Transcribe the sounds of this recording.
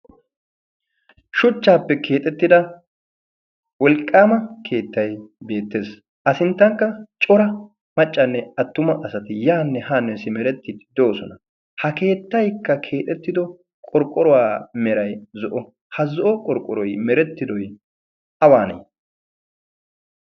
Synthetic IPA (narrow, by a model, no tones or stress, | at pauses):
ʃʊt͡ʃːaːpːɛkʰe̞ːt̪ʼɛt̪ːɪd̪ɐ | wɔlkʼːaːmɐkʰe̞ːt̪ːɐjbe̞ːt̪ːe̞ːs | ʔɐsɪnt̪ːɐŋkːɐt͡ʃʼɔɾɐ | mɐt͡ʃʼːɐnːɛɐt̪ːʊmɐʔɐsɐt̪ɪjaːnːɛhaːnːɛsɪmɛɾɛt̪ːɪd̪ɪd̪oːsɔnɐ | hɐke̞ːt̪ːɐjkːɐkʰe̞ːt̪ʼɛt̪ːɪd̪ɔ | kʼɔɾkʼːɔɾɔwaːmɛɾɐjzɔʔɔ | hɐzɔʔɔkʼɔɾkʼːɔɾɔjmɛɾɛt̪ːɪd̪ɔj | ɐwaːnɐ̰j